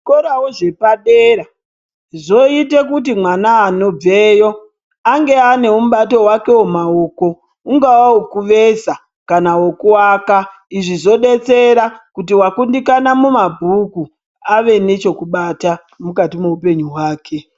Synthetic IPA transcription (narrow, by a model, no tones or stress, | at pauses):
koɾawoʐe̞paɗeɾa | zo̞itekut̬imwanaːno̞b͡veːjo̞ | aŋɡe̞ane̞um̩ɓato̞wake̞womao̞ko̞ | uŋɡawaukuʋe̞sa | kanawokuwaːka | iʐizo̞ɗe̞t͡se̞ɾakutiwakundikanamumabʱuku | aʋe̞ne̞t͡ʃo̞kuɓata | mukatime̞upe̞ɲuɦwaːkʰe̞